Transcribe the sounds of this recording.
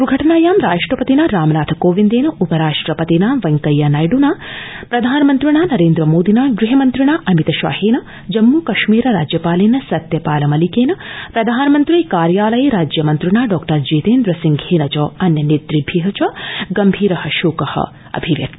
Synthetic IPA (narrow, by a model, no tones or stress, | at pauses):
ɾuɡʱɐʈɐnaːjaːmɾaːʂʈɾɐpɐt̪inɐɾaːmɐnaːt̪ʰɐkoːʋind̪eːnɐʔupɐɾaːʂʈɾɐpɐt̪inaːʋɐŋkɐjɐnɐjɖunaːpɾɐd̪ʱaːnɐmɐnt̪ɾiɳaːnɐɾeːnd̪ɾɐmoːd̪inaːɡɾiɦɐmɐnt̪ɾiɳaːʔɐmit̪ɐʃʋa̰ːheːnɐ | d͡ʒɐmːuːkɐʃmiːɾɐɾaːd͡ʒjɐpaːlinɐsɐt̪jɐpaːlɐmɐlikeːnɐpɾɐd̪ʱaːnɐmɐnt̪ɾikaːɾjaːlɐjeɾaːd͡ʒjɐmɐnt̪ɾiɳaːɖɔːkʈɐɾd͡ʒeːt̪eːnd̪ɾɐsiŋɡʱheːnɐt͡ʃɐːɐnjɐnid̪ɾibʱiɦɐt͡ʃɐɡɐmbʱiːɾɐhɐʃoːkɐhɐ̰ | ɐ̰bʱiʋjɐ̰kt̪i